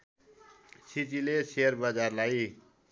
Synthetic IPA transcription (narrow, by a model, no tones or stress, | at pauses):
sit͡sileseʌrbʌd͡zarlaj